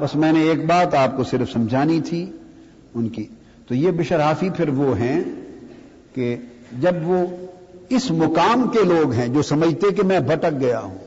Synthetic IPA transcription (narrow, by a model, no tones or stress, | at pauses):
bɐsmɛ̃ːneeːk̚baːt̪aːp̚kosɪɾfsɐ̃md͡ʒʱaːnit̪ʰi | ʊnki | t̪ojebɪʃəɾɦaːfipʰɪɾʋoɦɛ̃ | ke | d͡ʒɐbʋo | ɪsmʊkaːmkeloːɡɦɛ̃d͡ʒoːsɐməd͡ʒʱt̪ek̬emɛ̃bʱɐʈək̚ɡɐja̰ɦṵ̃ː